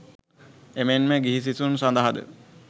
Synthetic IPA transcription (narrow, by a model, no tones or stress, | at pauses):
emenmeɡiɦis̬isunsand̪aɦad̪ə̰